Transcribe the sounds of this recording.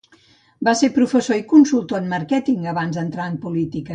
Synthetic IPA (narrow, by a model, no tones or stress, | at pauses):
basepɾufəsoikunsulˠt̪oənməɾkɛt̪iŋɡəβanzðənt̪ɾaənpulit̪ikə